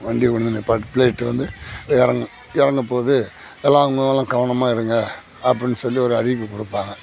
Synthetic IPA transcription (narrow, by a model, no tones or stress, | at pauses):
ʋɐɳɖikɔɳnɐnpɐpɪleːʈːɯʋɐnd̪ɯɪɾɐŋɡ | ɪɾɐŋɡɐpːoːðɯ | ɛlːaːʊŋɡɐɐlːãkɐʋɐɳɐmaːɪɾɯŋɡɐ | ɐp̬ːɐɽɪnsɔlːiɔɾɯɐɾiʋkːɯkɔɽɯpːaːŋɡɐ